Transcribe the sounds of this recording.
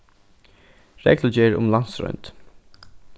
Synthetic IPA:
ɾɛ̰kləd͡ʒɛːɹʊ̰mlansɾɔ̰ʏnt̪

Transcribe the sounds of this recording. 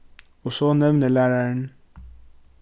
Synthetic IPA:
osonemnelaɾan

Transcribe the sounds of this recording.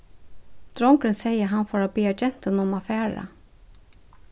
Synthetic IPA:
d̪̥ɾɔŋɡɾənseɪəɦɑnfɔɾoːbiːɑd͡ʒɛnt̪ənɔmɑfæːɾə̰

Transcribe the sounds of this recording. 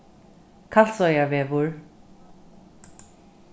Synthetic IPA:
kʰaɬsɔjavɛːvʊɹ

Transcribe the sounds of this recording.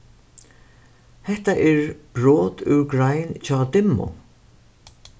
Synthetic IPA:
hɛht̪aʔɛɹb̥ɹoːt̪ʉ̰wɡɹajnt͡ɕʰɔːt̪ɪmːʊ̰

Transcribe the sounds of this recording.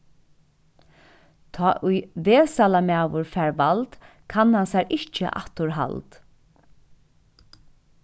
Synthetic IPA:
t̪ʰɔːʔʊjʋeːsalamaːwʊɹfɛːɹʋalt̪ | kʰanhansɛːɹɪht͡ʃə̰ʔa̰ht̪ʊɹɦa̰lt̪

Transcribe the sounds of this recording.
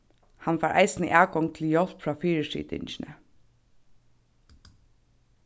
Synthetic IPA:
hanfaːɹʔa̰jsɪnəʔæːkɔŋt̪ʰɪljɔl̥pfɹaːfiːɹɪʂḭːt̪ɪ̰ɲt͡ʃɪnə̰

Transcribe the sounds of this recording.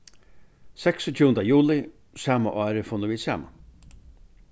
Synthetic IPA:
sɛksɔt̪ʰjuːənd̪ajuːlɪ | saːmaʔɑːɾəfʊnəʋiːd̪sæ̰ːma̰

